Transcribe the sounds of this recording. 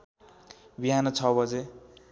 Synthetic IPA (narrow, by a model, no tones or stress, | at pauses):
biɦanʌt͡sʰʌbʌd͡ze